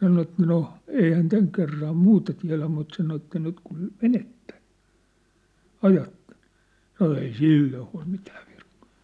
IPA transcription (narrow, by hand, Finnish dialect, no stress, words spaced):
sɑno et no ei hæn tæŋ kerːɑm muːtɑ tiæ̝læ mut sɑno etːæ nyt kun menetːe̥ ɑjɑtːe̥n̥ sɑno ei siˑlːoː huɑ̝l mitæ̥ː ʋirkːɑ̥ː